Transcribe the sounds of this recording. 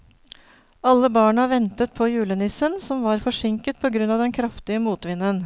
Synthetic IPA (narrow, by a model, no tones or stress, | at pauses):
ɑlːəbɑːɳɑʋɛnt̪ət̪̚pʰɔjʉːlənɪsənsɔmʋɑːɾfɔʂɪŋkət̪̚pʰɔɡɾʉnɑːʋd̪ɛnkʰɾɑft̪ɪəmuːt̪ʋɪnːən